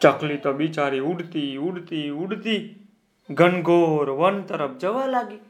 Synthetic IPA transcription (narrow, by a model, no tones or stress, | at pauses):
t͡ʃəklit̪obit͡ʃaːɾiʊɽt̪iʊɽt̪iʊɽt̪iː | ɡənɡoːɾʋənt̪əɾəp̚ʰd͡ʒəʋalaːɡi